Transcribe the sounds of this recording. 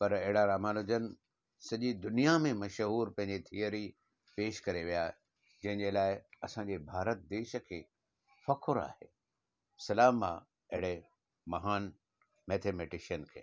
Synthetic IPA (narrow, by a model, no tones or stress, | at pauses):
pɐɾɐɦɪɽaɾaːmaːnʊd͡ʑənɪ̆ | sɐʄid̪ʊnijamẽmɐʃɦuːɾpɐ̃ɦɪ̃ɲd͡ʑet̪ʰijəɾi | peːʃkɐɾeʋija | d͡ʑɐ̃ɦɪ̃ɲd͡ʑelaːɪɐsãɲd͡ʑebʱaːɾət̪̚d̪eːʃə̆kʰeː | fɐkʰʊɾa̰ːheː | sɐlaːma̰ | ɐɦɪɽe | mɐɦaːn | meːt̪ʰeːmeːʈɪʃiənkʰḛː